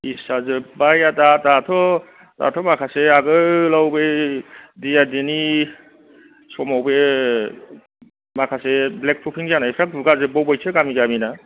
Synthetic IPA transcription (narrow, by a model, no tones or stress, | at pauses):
isazɯbajatatatʰɔ | ta̰tʰɔmakʰaseaɡɯlawbe | dijadeni | sɔmawbe | makʰaseblek̚pʰupʰiŋanajpʰɾak̚buɡazɯbɔwbajtʰɯkamiɡamina